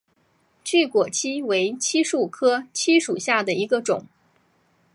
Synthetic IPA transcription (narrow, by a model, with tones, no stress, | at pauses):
t͡ɕy˥˩kwɔ˨˩t͡ɕʰi˥we˧˥ɪt͡ɕʰi˥ʂu˥˩kʰɤ˥t͡ɕʰi˥ʂu˨˩ɕja˥˩d̪ə˩i˧˥ɡə˧ʈ͡ʂʊ˨˩˦ŋ